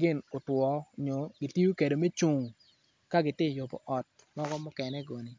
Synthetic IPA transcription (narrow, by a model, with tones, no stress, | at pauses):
ɡɪ˦˨no˨twɔ˨ɲo˨ɡɪ˨ti˦ju˦ke˨do˨me˦t͡ʃu˨ŋ | ka˦ɡɪ˨tɪ˦˨jo˨pɔ̰˨ʔɔ˨t̚ | mɔ˦ɡɔ˦mʊ˦kɛ˨nɛ˦ɡo˨ni˨